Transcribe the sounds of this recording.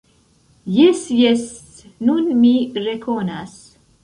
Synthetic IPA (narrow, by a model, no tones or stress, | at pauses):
jesjes | nunmirekʰonas